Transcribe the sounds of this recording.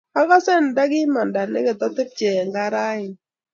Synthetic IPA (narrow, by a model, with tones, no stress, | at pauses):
a˦ka˦sɛ˦˨n˨da˦ɡɪ˦ma˨nda˨nɪ̰˦kɛ˨t̪ɔ˦t̪ɪ˦p̚t͡ʃɛ˨ŋɡa˦ɾa˦ɪ˨